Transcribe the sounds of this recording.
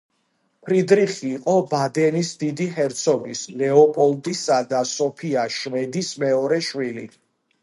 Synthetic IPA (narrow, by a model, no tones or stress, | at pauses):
pʰɾid̪ɾiχiːqʼɔbad̪ɛnisd̪id̪iɦɛɾt̪sʰɔbislɛɔpʼɔld̪isad̪asɔpʰiaʃmɛd̪ismɛɔɾɛʃwili